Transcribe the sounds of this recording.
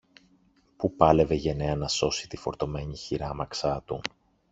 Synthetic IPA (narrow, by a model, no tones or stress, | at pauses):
pupɐle̞ve̞ʝe̞ne̞ɐnɐso̞si̥t̪ifo̞ɾt̪o̞me̞ɲiçiɾɐmɐksɐt̪un